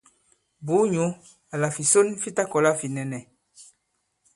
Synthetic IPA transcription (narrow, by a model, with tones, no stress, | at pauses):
bu˨˦ɲu˨˦ | a˨la˨fi˨so˦nfi˦ta˦kɔ˨la˦fi˨nɛ˨nɛ˨